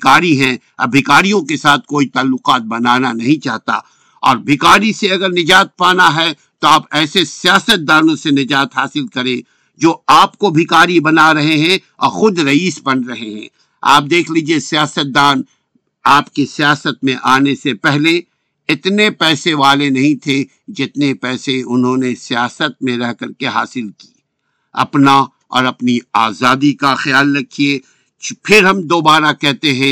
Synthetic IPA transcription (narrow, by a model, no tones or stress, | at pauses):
kaːɾiɦɛ̃ | ɐ̰bʱɪkaːɾijõkesaːt̪̚ʰkoːit̪aːlːʊqaːt̪̚bɐnaːnanɐɦĩt͡ʃaːɦt̪a̰ | ɔ̰ːɾbʱɪkaːɾiseɐɡəɾnɪd͡ʒaːt̪̚paːnaɦɛ | t̪oaːpɛːsesijaːsət̪̚d̪aːnõsenɪd͡ʒaːt̪ɦaːsɪlkɐɾẽ | d͡ʒoːaːpkobʱɪkaːɾibɐnaɾɐɦeɦɛ̃ | ɔ̰ːɾxʊd̪ɾɐiːsbɐnɾɐɦeɦɛ̰̃ | a̰ːp̚d̪eːkʰliːd͡ʒiesijaːsət̪̚d̪aːn | aːpkisijaːsət̪mẽʔaːnesepɛɦle | ɪt̪nepɛːseʋaːlenɐɦĩt̪ʰe | d͡ʒɪt̪nepɛːseʊnɦõːnesijaːsət̪̚mẽɾɛɦkɐɾkeɦa̰ːsɪlki̥ː | ɐ̰pna | ɔ̰ːɾɐpniaːzaːd̪ikaxɐjaːlːɐkʰie | pʰɪɾɦɐ̃md̪oːbaːɾakɛɦt̪eɦɛ̃ː